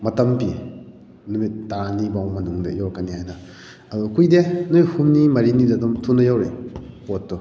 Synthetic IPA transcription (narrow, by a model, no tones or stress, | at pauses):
mɐtɐmpi | numit̚ːanibawmɐnuŋdḛjakanihajnɐ | ɐdukujdenujhumnimɐɾinidɐdumtʰunɐjawɾepotːu